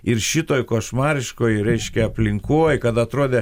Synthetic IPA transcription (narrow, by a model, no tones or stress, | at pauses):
ɪɾʃʲɪt̪oːjkoːʃmɑːɾʲɪʃkoːjɾʲɛɪʃʲkʲɛɐpʲlʲɪŋkoːjkɐt̪ɐt̪ɾoɔːd̪ʲe